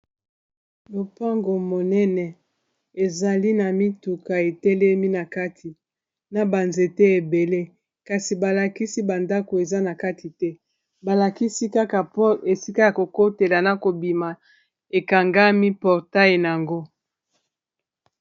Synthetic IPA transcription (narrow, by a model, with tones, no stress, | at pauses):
lo˨pa˦ŋɡo˨mo˨nɛ˦nɛ˨ | e˨za˨li˦na˨mi˦tu˨ka˨e˨tɛ˦lɛ˦mi˦na˨ka˦tʰi˨ | na˨ba˨nze˨te˦e˨be˨le˦ | ka˨si˨ba˨la˨ki˦si˦ba˨nda˦ko˨e˨za˦na˨ka˦tʰi˨tɛ˦ | ba˨la˨ki˦si˦ka˦ka˨pɔ˦e˨si˦ka˦ja˨ko˨ko˦te˨la˨na˨ko˨bi˨ma˨ | e˨ka˨ŋɡa˦mi˦pɔ˨ʁta˦je˨na˨a˨ŋɡo˦